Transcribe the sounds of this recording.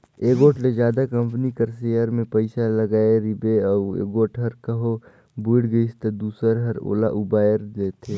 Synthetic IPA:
eːɡoːʈled͡ʒjaːd̪akɐ̃mpnikɐɾseːjəɾmẽpɐɪsalɐɡaːeɾɪbeɔːɾḛːɡoːʈʰɦɐɾkɐɦo | buɪɽɡəɪst̪ed̪uːsəɾɦɐɾo̰ːla̰ʔʊbaːjəɾd̪eːt̪ʰeː

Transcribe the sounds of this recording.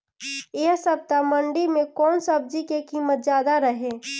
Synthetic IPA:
eɦsəb̚t̪aməɳɖimẽkɔːnsəb̚d͡ʒikekimət̪̚zjaːd̪aɾəɦẽ

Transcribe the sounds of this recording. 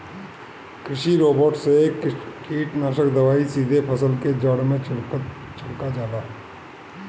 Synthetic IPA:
kɾɪʃiɾoːbəɾʈsekiːʈnaʃəkd̪əʋaːisiːd̪ʱepʰəsəlked͡ʒəɽmẽ | t͡ʃəŋkad͡ʒaːd̪aɦɛ

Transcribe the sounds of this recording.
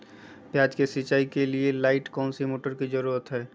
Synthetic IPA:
pjaːd͡ʒkesɪt͡ʃaːikelielaːɪʈkɔːnsimoːʈəɾkid͡ʒəɾuːɾət̪ɦɛː

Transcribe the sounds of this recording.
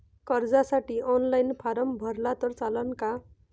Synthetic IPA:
kʌrd͡zasaʈionlajnpʰaɾʌmbʱʌrlat̪ʌrt͡salʌnka

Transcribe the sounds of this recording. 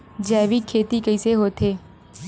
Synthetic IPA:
d͡ʒɛːʋiːkʰeːt̪ikəiːseɦoːt̪ʰeː

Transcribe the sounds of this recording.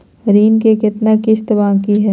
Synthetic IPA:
ɾiːnkekɪt̪nakɪt͡ʃt̪bãːkiɦɛː

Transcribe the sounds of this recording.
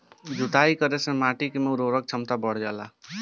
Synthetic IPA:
d͡ʒuʈ̪aikəɾesẽmaʈikemeuɾoɾək̚t͡ʃʰəmt̪abəɽ̤d͡ʒɛla

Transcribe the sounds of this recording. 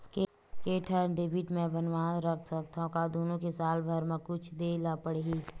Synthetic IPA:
keːʈʰəɾɖeːbʱɪʈmẽbənʋaːɾəkʰsək̚t̪aõkad̪oːnõkesaːlbʱəɾmẽkʊt͡ʃʰd̪eːlapəɽeɡi

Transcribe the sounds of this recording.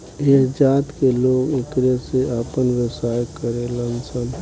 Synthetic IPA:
ekd͡ʒaːt̪keloːɡekɾeseapənʋəsaːjkəɾelənsən

